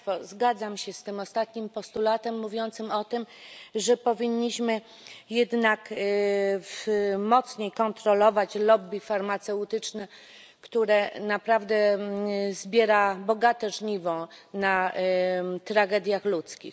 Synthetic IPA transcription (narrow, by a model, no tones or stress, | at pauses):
ɔzɡad̪zamɕɛst̪ɘmɔst̪at̪ɲimpɔst̪ulat̪ɛmːuvʲjɔnt̪sɘmɔt̪ɘmʐɛpɔvʲiɲːiɕmɘ | jɛd̪nak | fmɔt̪sɲejkɔnt̪ɾɔlɔvat͡ɕlɔbʲifaɾmat̪sɛut̪ɘt͡ʂnɛ | kt̪uɾɛnapɾavd̪ɛ | zbʲjɛɾabɔɡat̪ɛʐɲivɔ̃na | t̪ɾaɡɛd̪ʲjaxlut̪skʲḭx